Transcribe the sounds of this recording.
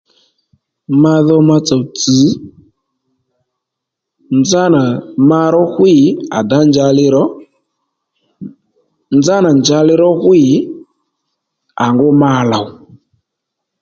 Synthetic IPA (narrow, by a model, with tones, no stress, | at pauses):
ma˧ðɔ˦ma˧t͡sɔ˨wt͡sɨ˨˦ | nd͡za˦na˨ma˦ɾɔ˦ɣwi˦˨a̰˨da˨˦nd͡ʒa˧lɪ˦ɾɔ˦ | nd͡za˦na˨nd͡ʒa˧lɪ˦ɾɔ˦ɣwi˦˨ | a˨ŋɡo˦ma˦˨la˨w